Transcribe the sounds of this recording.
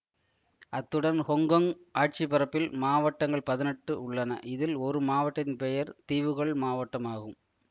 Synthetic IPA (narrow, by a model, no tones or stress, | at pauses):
ʔɐt̪ːɯɽɐnhɔŋɡɐŋʔaːʈ̚t͡ʃipɐɾɐpːɪlmaːʋɐʈːɐŋɡɐɭpɐðɪnɛʈːɯʊɭːɐnɐ̰ʔɪðɪlɔɾɯmaːʋɐʈːɐnpɛjɐɾt̪iːʋɯɣɐɭmaːʋɐʈːɐmaːɣɯm